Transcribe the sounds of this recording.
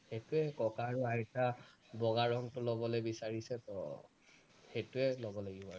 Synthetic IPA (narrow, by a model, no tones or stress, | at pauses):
xetʊɛkɔkaɹuaɹɛtabɔɡaɹɔŋtʊlobɔlojbisaɹisɛtɔ̰ | xetʊɛlɔbɔlaɡibɔaɹ